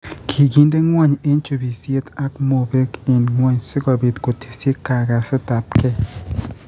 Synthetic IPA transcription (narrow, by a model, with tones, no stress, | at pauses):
kʰi˨ɡi˦nde˦ŋwa˦˨ɲe˦nt͡ʃo˨bi˨sje˦t̪a˦kmo˨be˦ke˨nŋwa˦ɲsɪ˦kɔ˨bi˨t̪ko˨tʰi̥˨se˦kːa˨ɡa˨sɪ˦ta˨pkɛ˦